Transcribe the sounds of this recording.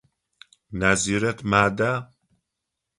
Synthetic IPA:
naziɾet̪maːd̪a

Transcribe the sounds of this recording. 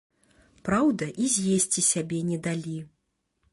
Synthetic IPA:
pɾawd̪ɐʔizʲjesʲt͡sʲisʲabʲɛnʲɛd̪alʲi

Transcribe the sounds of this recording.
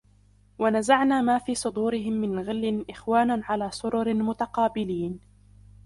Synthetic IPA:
wanazaʕnaːmaːfiːsˤʊd̪uːɾɪɦɪmːɪnɣɪlːɪnʔɪxwaːnaʕalaːsˤʊɾʊɾmʊt̪aqɑːbɪliːn

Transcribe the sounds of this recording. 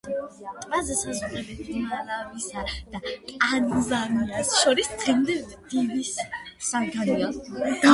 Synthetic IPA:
tʼvazɛsazuχɛlɛt̪d̪malavisad̪̥at̪ʼanzamnasʃɔɾisɛmd̪ɛvd̪̥ivissankʰaniad̪̥a

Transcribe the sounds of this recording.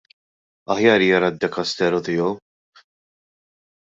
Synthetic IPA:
ɐħjɐːɾiːjɐɾɐd̪ːɛkɐst̪ɛɾɔt̪ɪːjɔw

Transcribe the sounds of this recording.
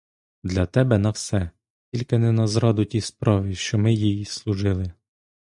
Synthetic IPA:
d̪lʲɐt̪ɛbɛnɐwsɛ | tʲilʲkɪnɛnɐzɾɑd̪ʊtʲispɾɑʋɪʃt͡ʃɔmɪjijislˠʊʒɪlˠɪ

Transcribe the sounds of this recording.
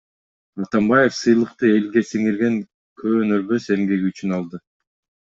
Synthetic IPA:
ɑt̪ɑmbɑje̞fsɯjlˠɯqt̪ɯe̞lɡe̞siŋiɾɡe̞ŋ | kʰøːnøɾbø̞se̞mɡe̞ɡiyt͡ʃynɑlˠd̪ɯ

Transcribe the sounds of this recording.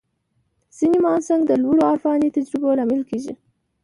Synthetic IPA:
z̥inimɑnsaŋɡd̪əlwuɽoaɾfɑnit̪ad͡ʒɾɪbolɑmɪlkeʒḭ

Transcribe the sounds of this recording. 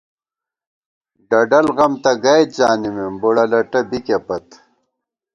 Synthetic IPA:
ɖɐɖɐlɣɐmt̪ɐɡɐj̪̚d͡ʑaːnimemboɽɐlɐʈɐbikepɐt̪

